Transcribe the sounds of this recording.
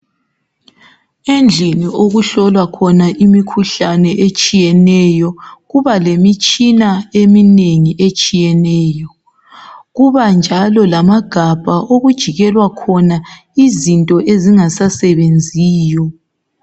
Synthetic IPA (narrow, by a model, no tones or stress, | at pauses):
end͡ɮʱinioɣuɬɔlwakʰɔnaʔimikʰuɬanɛʔet͡ʃʼijɛnɛjɔɣuβalemit͡ʃʼinaemineŋiʔet͡ʃʼijɛnɛːjɔ | ɣuβand͡ʒʱalɔlamaɡ̥ʱab̥ʱaʔoɣud̥ʒ̥ʱiɣɛlwakʰɔna | izintʼɔʔeziŋasasɛβend͡zʱiːjɔ